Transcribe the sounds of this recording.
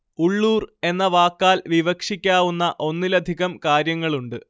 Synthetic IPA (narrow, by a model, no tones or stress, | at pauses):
uɭːuːre̞nːɐʋaːkːaːlʋiʋɐkʂikʲːaːʋunːɐʔo̞nːilɐd̪ʱiɣɐmkaːɾjɐŋːɐɭuɳɖɨ